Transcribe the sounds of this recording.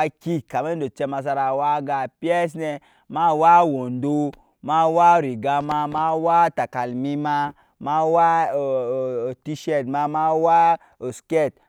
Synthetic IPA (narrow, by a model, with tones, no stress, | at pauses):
a˦ki˦ka˨me˦n˦do˨t͡ʃe˧ma˧s̬a˧ɾa˨wa˦ɡa˨pi˦ɛ˦s̬ne˧ | ma˦wa˦wo˨ndo˦ | ma˦wa˦˨ɾi˨ɡa˧ma˧ma˦wa˦ta˨ka˨lmi˦ma˧ | ma˦wa˦˨ | ti˦ʃɛ˦˨tma˧ma˦wa˦ | o˨ske˦˨t̚